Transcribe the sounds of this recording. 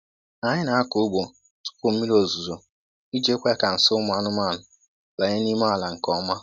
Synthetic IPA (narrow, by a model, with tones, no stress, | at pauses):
a˨ɲɪ˦na˨˦a˦kʊ˨˦ʊ˦ɡ͡bo˨ | tʊ̥˦kʊ˨m̩˦mi˦ɾo˨zu˨zo˨ | i˦d͡ʒe˦kʷe˦ka˨n̩˨sʊ˦m˦a˨˦nʊ˦ma˦˨nʊ˨ | ba˨ɲe˦ni˦ma˦a˨la˨ŋ̩˨kɔ˦ma˦